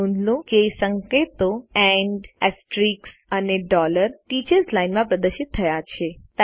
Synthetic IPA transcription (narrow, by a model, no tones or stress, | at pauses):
ũnd̪lũkeːsəŋket̪oɛɳɖɛsʈɾiksəneɖɔləɾʈit͡ʃəɾzlainmãpɾəd̪əɾʃɪt̪ʰːəjat͡ʃʰet̪